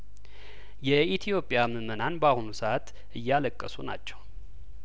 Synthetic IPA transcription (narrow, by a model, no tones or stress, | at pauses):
jɛit̪ʰijo̞pʼːjaməmənanbahunusəat̪ | ɨjːaləkʼːəsuna̰t͡ʃːɛ̥w